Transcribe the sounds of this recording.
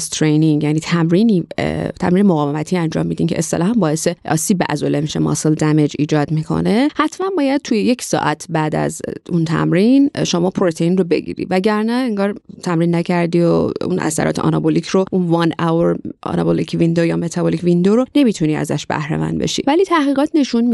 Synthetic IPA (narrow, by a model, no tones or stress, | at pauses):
st̪ʰɾejniŋɡjæniːt̪ʰæmɾiniːt̪ʰæ̰mɾiːnemoɣɒːvemæt̪ʰiːænd͡ʒɒ̰ːmːiːd̪imcʰe̞ʔest̪elɒːhæmbɒːeseʔɒ̰ːsiːbːeʔæ̰zolemiʃemɒ̰ːseld̪æme̞d͡ʒḭːd͡ʒɒːd̪mikʰo̞̰ne̞hæt̪ʰmænbɒːjæd̪̚t̪ʰujeje̞cʰsɒ̰ːʔæt̪ʰbæːd̪æ̰zunt̪ʰæ̰mɾinʃomɒːpʰoɾot̪ʰeinrobe̞̰ɟḭːɾḭvæɟæɾnæeŋɡɒːɾt̪ʰæmɾinːæcʰæɾd̪iːo̰ṵnʔæ̰sæ̰ɾɒ̰t̪ʰeʔɒ̰nɒbolicʰɾoʔunvɑnæweɾʔɒ̰nɒ̰bolikʰvind̪ojɒme̞t̪ʰɒbolicʰvind̪oɾone̞mit̪ʰuniːæ̰zæ̰ʃb̥æ̰hɾḛmæ̰nd̪be̞̰ʃḭvæliːt̪ʰæhɣiːɣɒːt̪ʰne̞ʃunmi